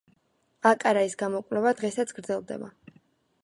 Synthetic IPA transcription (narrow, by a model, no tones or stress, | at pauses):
akʼaɾaisɡamɔkʼvlɛvad̪ʁɛsat̪sʰɡɾd̪zɛlˠd̪ɛ̰ba